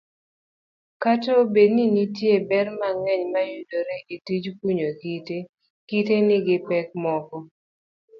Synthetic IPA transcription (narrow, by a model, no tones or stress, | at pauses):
katobedninitjebɛrmaŋɛɲmajudoɾeʔitid͡ʒkuɲokite | kitenɪɡɪpɛk̚mɔkɔ